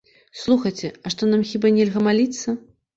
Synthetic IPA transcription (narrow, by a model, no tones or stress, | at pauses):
slˠuxɐjt͡sʲɛɐʂt̪ɔnamxʲibanʲɛlʲɣɐmalʲit̪sːɐ